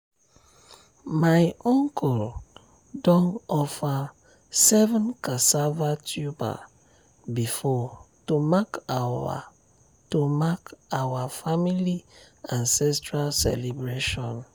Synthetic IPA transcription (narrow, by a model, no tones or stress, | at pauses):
majʔɔ̃ŋkʰɔl | dɔ̃nɔfa | sɛvɔ̃nkasavatʰjuba̰ | bifɔ | tomakaa̰ | tomakawafamiliãnsɛstɹalsɛ̰libɹeʃɔ̃n